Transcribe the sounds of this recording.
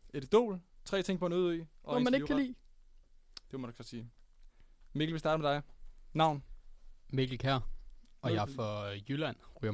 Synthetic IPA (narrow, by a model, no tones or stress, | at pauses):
e̝d̥d̥o̝̰ːlt͡sʰʁɛ̰ːt͡sʰe̝ŋ̰pʰɒ̽nuðˠiʔɒ̽ɒmænekʰːælḭː | d̥e̝ʋmændɡ̥ksɒ̽siː | me̝ɡl̩ʋe̝sdɑːɾəmed̥ɑ̈ɪːɑ̈ʊ̰n | me̝ɡ̥l̩kʰæɐ̰ɒ̽jɑfɒjylæn̰ʁy̰ɐ